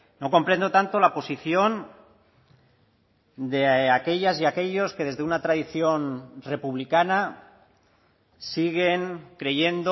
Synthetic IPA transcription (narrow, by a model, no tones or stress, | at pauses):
no̞ko̞mpɾe̞nd̪o̞t̪ant̪o̞lapo̞siθjo̞n | d̪e̞ake̞ʎasiake̞ʎo̞ske̞ðe̞zðe̞unat̪ɾaðiθjo̞nre̞puβlikana | siɣ̞e̞ŋkɾe̞ʝe̞nd̪o